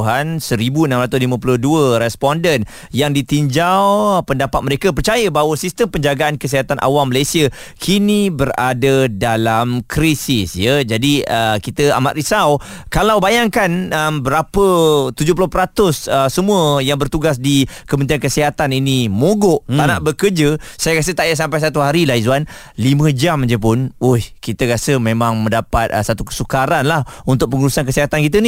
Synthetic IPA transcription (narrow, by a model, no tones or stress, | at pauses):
ɦansəɾibuənãmɾat̪ʊslimə̃pulʊhduəɾɛspɔndən | jaŋdit̪iɲd͡ʒawpəndapat̪̚məɾekap̬ərt͡ʃajəbaɦwəsist̪əmpəɲd͡ʒaɡaankəs̬iɦat̪anʔa̰wamːəlajsia | kʰinibəɾa̰dadalamkɾisisjəd͡ʒadiəkit̪əa̰ma̰ʔ̪ɾisawkalawbajaŋkanəmbəɾapət̪ud͡ʒʊpulʊpəɾat̪ʊsəsəmũəjaŋbərt̪uɡas̬dikəmənt̪̬iankəsiɦat̪aninimoɡɔʔ̪anaʔbəkərd͡ʒəsajakas̬ət̪aʔjas̬ampajs̬at̪uɦaɾilaɦizuan | limə̃d͡ʒamd͡ʒəp̬ʊnohkit̪əkasəmẽmãŋmə̃ndapat̪̚əsat̪ukə̥sukaɾanlahunt̪ʊk̚pəŋuɾusank̬əsiɦat̪ankit̪̬əni